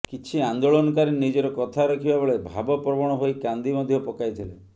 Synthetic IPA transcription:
kit͡ʃʰiand̪oɭɔnɔkaɾinid͡ʒɔɾɔkɔt̪ʰaɾekʰibabeɭebʱa̰bɔpɾɔbɔɽ̃ɔɦojkand̪imɔd̪ʱjɔpɔkajt̪ʰilḛ

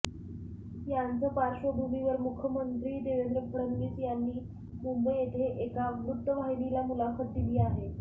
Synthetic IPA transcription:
jant͡səːpaɾɕəbʱumiʋəɾmukʰjəmənt̪ɾiːd̪eʋed̪ɾəpʰəɾənːiːt͡sjanːiː | mumbəjet̪ʰeʔekabɾut̪ːəʋaɦinilamulakʰət̪̚d̪iliːaɦe

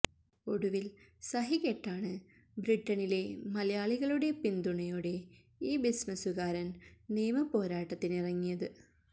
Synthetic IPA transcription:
oɽuʋilsɐɦiɣeʈːaːɳɨ | bɾiʈːɐnile̞mɐlɐjaːɭiɣɐɭuɽe̞pind̪uɳɐjoːɽe̞ | iːbismɐsuɣaːɾɐnneːmɐpo̞ːɾaːʈːɐt̪ːinirɐŋːijɐðɨ

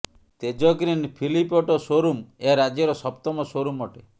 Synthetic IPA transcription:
t̪ed͡ʒɔɡɾinpʰilipɔʈɔsoɾumeaɾad͡ʒɔɾɔsɔpt̪ɔmɔsoɾumɔʈe

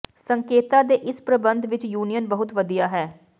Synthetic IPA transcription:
səŋkeːt̪aːd̪eːʔɪspɾəbənd̪ʋɪt͡ʃjuːnijənbəɦʊt̪ʋəd̪ijaːɦɛː

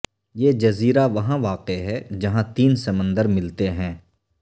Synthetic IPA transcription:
jeːd͡ʒɐziːɾaʋɐɦãʋaːqeɦɛd͡ʒɐɦãt̪iːnsɐmə̃nd̪əɾmɪlt̪eɦɛ̃ː

